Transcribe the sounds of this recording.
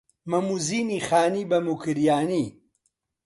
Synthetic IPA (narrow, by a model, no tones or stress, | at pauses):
mɐmuziːniːxaːniːbɐmukɨɾjaːniː